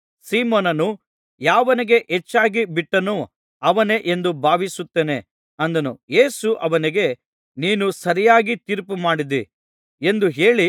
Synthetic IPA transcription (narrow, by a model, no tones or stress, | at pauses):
siːmoːnɐnu | jaːʋɐniɡe̞ʔet͡ʃːaːɡibiʈːɐnu | ɐʋɐne̞ʔe̞nd̪ubʱaːʋisut̪ːe̞ːne̞ | ɐnd̪ɐnuje̞ːsuʔɐʋɐniɡe̞ | niːnusɐɾijaːɡit̪iːɾpumaːɽid̪i | e̞nd̪uɦe̞ːɭi